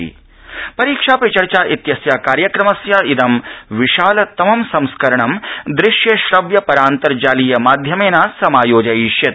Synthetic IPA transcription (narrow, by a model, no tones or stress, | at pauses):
ḭː | pɐɾiːkʂaːpɾɐt͡ʃɐɾt͡ʃaːʔit̪jɐsjaːkaːɾjɐkɾɐmɐsjaːid̪ɐmʋiʃaːlɐt̪ɐmɐmsɐmskɐɾɐɳɐmd̪ɾɪʃjɐʃɾɐʋjɐpɐɾaːnt̪ɐɾd͡ʒaːlijɐmaːd̪ʱjɐmeːnaːsɐmaːjoːd͡ʒɐiːʃjɐt̪